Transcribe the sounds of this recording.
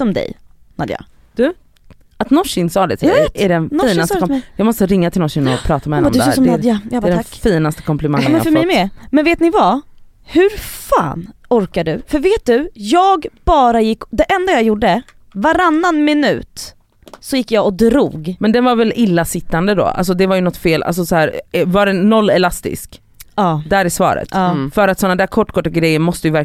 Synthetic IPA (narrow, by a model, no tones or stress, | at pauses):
sɔmd̪ɛ̰j | nad̪jɑ̰ː | d̪̥ɵ | at̪nɔʂɪnsɑːd̪ɪt̪ʰːæɖɛnnɔfiːaskɔjɑːɡmɔst̪əɾɪŋːat̪ʰɪlnɔʂɪnɔpʰɾɑːt̪amɛhɛɔmd̪ɛːɾsɔmdd̪jajbɾɛfiːnast̪əkʰɔmpʰlɛmaŋːnmɛfœɾmɛjmɛmɛnveːt̪nɪva | hɵɾfa̰ːnɔɾkaɖɵ̰fœɾveːt̪̚d̪ɵjɑːɡb̥ɑːɾajɪkːd̪ɛʔɛnd̪ajajuɖə | vaɾanːanmɪnʉ̟̰ːt̪ | sɔjɪkːjaɡɔd̪ɾṵːɡmɛnd̪ɛnvaɾvɛlʔɪlːasɪt̪ːand̪əd̪ɔ̰ʔa̰ls̬ɔd̪ɛvaɾjɵnɔt̪ːfeːlʔa̰ls̬ɔsɔhæːɾvaɖɛnːɔlːɛlast̪ɪ̰sk | ɑːd̪æɾɪsvɑ̰ːɾə̰t̪ɑːfœɾat̪sɔnːad̪æːɾkʰɔʈːkʰɔʈːaɡɾɛjːəɾmɔst̪əjɵvæɾ